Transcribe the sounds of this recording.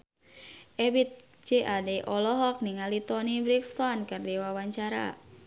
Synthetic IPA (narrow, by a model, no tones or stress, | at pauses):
ʔebit̪̚ | d͡ʒeʔadeʔɔlɔɦɔk̚niŋalit̪ɔnibɾikst̪ɔnkardiwawaɲt͡ʃaɾa̰